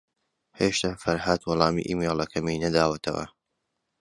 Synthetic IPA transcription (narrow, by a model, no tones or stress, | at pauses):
heːʃt̪afɐɾhat̪wɑlˠɑːmḭʔiːmeːlːɐkʰɐminɐd̪aːwɐt̪ʰɐ̰wɐ̰